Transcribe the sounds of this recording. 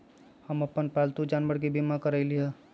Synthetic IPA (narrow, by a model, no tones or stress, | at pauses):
həməpənpɛlt̪ud͡ʒanʋəɽk̬ibimakəɾəɪliɛ